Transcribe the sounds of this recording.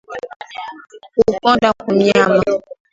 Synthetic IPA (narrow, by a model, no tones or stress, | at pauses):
ukɔ̃dakumĩamã